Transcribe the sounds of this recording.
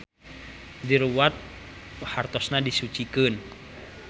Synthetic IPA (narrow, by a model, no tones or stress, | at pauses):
diɾuwat̪̚hart̪ɔsnadisut͡ʃikɨn